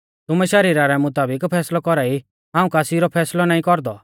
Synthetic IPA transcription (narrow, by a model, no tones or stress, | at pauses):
t̪ʊmɛʃɐɾiːɾaɾɛmʊt̪aːbɪkpʰɛːslɔkɔɾaːi | ɦãːũkaːsiɾɔpʰɛːslɔnaːĩkɔɾd̪ɔ